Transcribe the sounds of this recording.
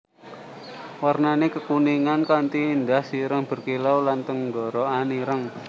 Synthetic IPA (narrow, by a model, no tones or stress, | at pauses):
warnanekəkuniŋankant̪iːnd̪ahsiɾəŋb̥ə̤rkilawlant̪əŋɡɔɾɔaniɾəŋ